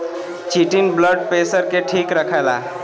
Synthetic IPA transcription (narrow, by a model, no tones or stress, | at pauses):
t͡ʃiʈinbləɖ̚pesəɾkeʈʰikɾəkʰajla̰